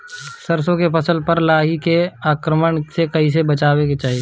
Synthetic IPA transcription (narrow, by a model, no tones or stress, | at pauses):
səɾsõkepɐsəlpɐɾlaːɦikeaːkɾəməɳsekɐɦisebɐt͡ʃaːweket͡ʃaːɦie